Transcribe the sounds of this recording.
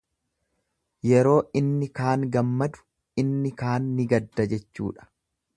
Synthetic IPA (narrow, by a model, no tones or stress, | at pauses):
jɛɾo̞ːɪnːɪkaːŋɡɐmːɐd̪ʊ̥ | ɪnːɪkaːnːɪɡɐd̪ːɐd͡ʒɛt͡ʃːṵːᶑɐ̥